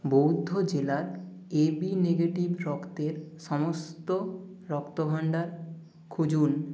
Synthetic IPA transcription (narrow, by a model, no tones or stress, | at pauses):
bowd̪ʱːod͡ʑelaɾ | ebineɡeʈibɾɔkt̪eɾʃɔmost̪o | ɾɔkt̪obʱaɳɖaɾ | kʰud͡ʑun